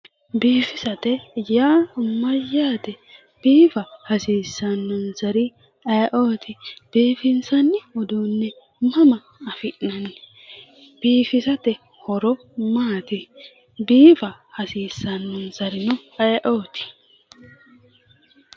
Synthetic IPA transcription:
biːfɪsɐt̪ɛjaːmɐjaːt̪ɛ | b̥iːfɐhɐsiːsːɐnːɔnzɐɾɪ | ɐjʔoːt̪ʰɪb̥iːfɪnsɐnːɪɔd̪uːnːɛ | mɐmɐ | ɐfɪʔnɐnːɪ | b̥iːfɪsɐt̪ɛ | hɔɾɔ | maːt̪ɪ | biːfɐhɐsiːsːɐnːɔnzɐɾɪnʊɐjʔoːt̪ɪ̥

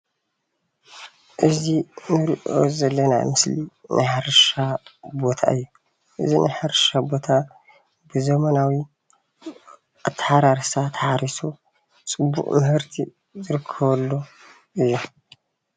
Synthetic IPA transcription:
ʔɨzinɨɾḭʔo̞̰zɐlːɐna̰mɨslinʔɨħaɾʃabo̞t̪ʰa̰ʔɨjːu | ʔɨ̰zinʔɨħaɾʃabo̞t̪ʰa | bɨzɐmɐnawi | ʔat̪ʰːħaɾaɾsat̪ʰħaɾisu | t͡sʼɨbːṵqʼmɨhɨɾt̪ʰḭ | zɨɾɨkʰːɐβɐlːo | ɨjːu

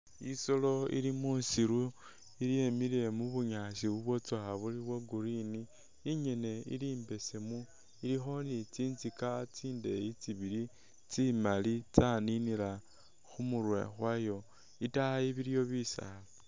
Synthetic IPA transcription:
isolo̞ḭlimusiɾu | iljemile̞muβuɲasiβuβwo̞t͡swaaβuliβwaɡuɾiniː | ɲe̞ne̞ḭliːmbe̞semu | ilixo̞nit͡siːnt͡sikat͡siːnde̞jit͡siβili | t͡simalit͡saninila | xumurwḛxwajo̞ | itaiβiɾjo̞βisa̰lo

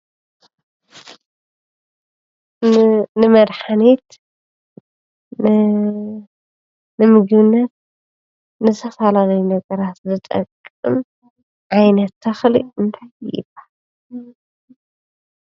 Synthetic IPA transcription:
nɨmɐd̪ħanet̪ | nɨmɨɡɨβɨnːɐt̪̚ | nɨsʰɐfalalɐjunɐɡɐɾat̪zɨt̪ʼɐ̰kʼːɨ̰m | ʕajnɐt̪ʰːɐxliʔɨnt̪ʰajʔɪ̰bḁ

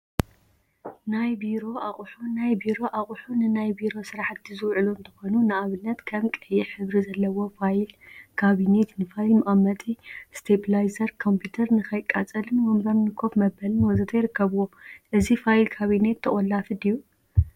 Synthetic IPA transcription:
najbiɾo̞ʔaχʼħunajbiɾo̞ʔaχʼħunɨnajbiɾo̞sɨɾaħt̪ːizɨwʕɨluɨnt̪ʰɐ̥xo̞nunaʔaβɨnːɐt̪kʰɐmkʼɨjɛħɨβɾizɐlːɐwo̞fajlkʰaβine̞t̪nɨfajlmɐʔʼɐmːɐt̪ʼist̪ʰeblajzɐɾkʰo̞mpʰjut̪ʰɐɾnɨkʰɐjkʼat͡sʼɐlɨnwɐmbɐɾnɨkʰo̞fmɐbɐlɨnwɐzɨt̪ʰɐjɾɨkːɐβuwoʔɨzifajlkʰaβine̞t̪ʰːɐʔʼolːafɨd̪iju

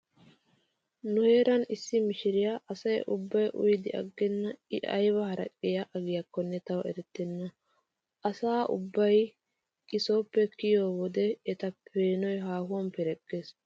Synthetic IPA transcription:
nʊhe̞ːɾɐnɪsːɪmɪʃɪɾɪjaʔɐsɐjʔʊbːɐjʔʊ̰jd̪ɪʔɐ̰ɡːɛnːɐɪʔɐ̰jbɐhɐɾɐ̰kʼːɪjɐʔɐɡɪjɐkːɔnːɛt̪ɐwɛ̰ɾɛt̪ːɛnːɐ | ʔɐsaːʔʊ̰bːɐj | kɪso̞ːpːɛkɪjoːwɔd̪ɛːt̪ɐpʰeːnɔjɦaːhʊwɐmpɛɾɛkʼːes

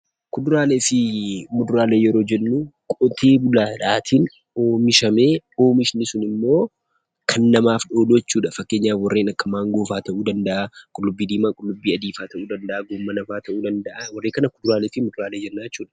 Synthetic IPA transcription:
kʊd̪ʊɾaːle̞ːfɪmʊd̪ʊɾaːle̞ːjɛɾo̞ːd͡ʒɛnːuːkʼɔt̪ʰe̞ːbʊlaːᶑaːt̪ʰin | o̞ːmɪʃɐme̞ːo̞ːmɪʃnɪsʊnɪmːo̞ː | kʰɐnːɐmaːfᶑo̞ːluɛt͡ʃːuːᶑɐfɐkːe̞ːɲːaːfwɐrːeːnɐkːɐmaːŋɡoːfaːt̪ɐʔuːd̪ɐnd̪ɐʔakʼʊlːʊbːiːd̪iːmaːkʼʊlːʊbːiːɐd̪iːfaːt̪ɐʔuːd̪ɐnd̪ɐʔaːɡoːmːɐnɐfaːt̪ɐʔuːd̪ɐnd̪ɐʔawɐrːeːkɐnɐkʊd̪ʊɾaːleːfɪmʊd̪ʊɾaːleːd͡ʒɛnːaːd͡ʒɛt͡ʃːuːᶑɐ̥

